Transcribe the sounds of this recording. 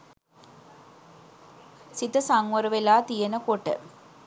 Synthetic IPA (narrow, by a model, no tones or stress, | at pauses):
sit̪əsaŋʋəɾəʋelaːt̪ijənəkoʈə̰